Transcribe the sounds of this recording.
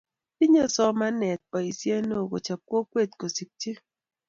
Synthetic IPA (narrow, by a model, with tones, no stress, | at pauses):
pi˦ɲe˦sɔ˦ma˦nɛ˨t̚pɔ˨i˨sje˦no˦˨ko̰˨t͡ʃa˨kwo˦kwe˦˨t̚ko˨si˨k̚ti˦